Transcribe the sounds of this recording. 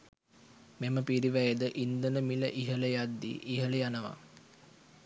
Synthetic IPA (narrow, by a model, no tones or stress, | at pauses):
meməpiɾiʋæjəd̪əʔind̪ənəmiləʔiɦələjad̪ːḭʔiɦələjanəʋa̰